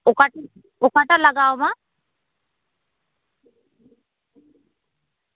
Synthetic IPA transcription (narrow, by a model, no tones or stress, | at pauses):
okaʈa | okaʈalaɡaoma